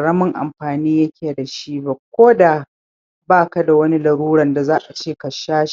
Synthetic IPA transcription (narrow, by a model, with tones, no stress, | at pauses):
ɽɐ˦mʊ˦˨ŋʔa̰˨mɸaː˨niː˦jɐ˦kʲʰeː˨da˨ʃiː˦ba˨kʷoː˦da˨ | baː˦ka˦da˨wɐ˦ni˦lɐ˨ɽuː˦ɽɐ˦˨nda˨zaː˦ʔa˨t͡ʃeː˦˨ka˨ʃaː˦ʃ